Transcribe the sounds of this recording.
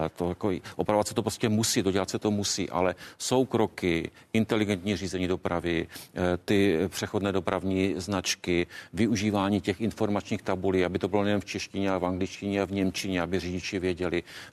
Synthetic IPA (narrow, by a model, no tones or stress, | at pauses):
t̪ojakoʔopɾavatsɛ̥t̪opɾoscɛmusiːd̪oɟɛlat̪sɛt̪omusḭːʔa̰lɛso̞wkɾo̞kɪɪnt̪ɛlɪɡɛnt̪ɲiːriːzɛɲiːdo̞pɾavɪt̪ɪpr̝̥ɛxodnɛːdopɾavɲiːznat͡ʃkɪvɪuʒiːvaːɲiːcɛxɪnfo̞ɾmat͡ʃɲiːxt̪abuliːabɪt̪obɪlonɛjɛnonft͡ʃɛʃcɪɲɛalɛvaŋɡlɪt͡ʃcɪɲɛavɲɛmt͡ʃɪɲɛabɪriɟɪt͡ʃɪvjɛɟɛlɪ